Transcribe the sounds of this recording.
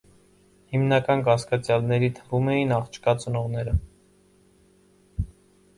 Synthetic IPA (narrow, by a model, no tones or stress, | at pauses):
himnɑkɑnkɑskɑt͡sjɑlnɛɾit̪ʰəvumɛjinɑχt͡ʃʰkɑt͡sənɔʁnɛɾə